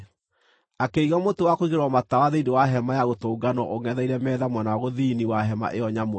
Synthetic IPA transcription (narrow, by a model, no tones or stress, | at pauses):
akeiɣɔmotowakoiɣeɾɔmatawaðendewaɦɛmajaɣotoːɡanɔʔoŋɛðaiɾɛmɛːðamwɛnawaɣoðiniwaɦɛma̰ʔeɔɲam